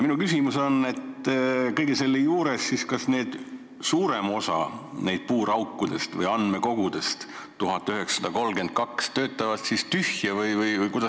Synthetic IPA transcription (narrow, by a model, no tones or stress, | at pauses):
minukysʲimuso̞ne̞t̪kɤjɡ̥ese̞lːejuːɾe̞sːiskɑsne̞ːd̪̥ | suːɾe̞mo̞sɑ̰ne̞jd̪̥̚puːɾɑwkːˑud̪̥e̞st̪vɤ̰jɑnme̞ko̞ɡud̪̥e̞st̪ | t̪uɦɑt̪ːˑyɦeksɑd̪̥ɑko̞lke̞nt̪̚kɑkst̪ø̞ːt̪ːˑɑvɑt̪sist̪yhjɑvɯjvɯjvɯjkujd̪̥ɑ